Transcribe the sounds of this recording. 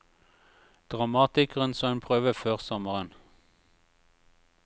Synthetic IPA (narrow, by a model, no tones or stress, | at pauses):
d̪̥ʁɑmɑːt̪ɪkəʁənsoːɛnpʰʁøːʋəføːʁsɔməʁən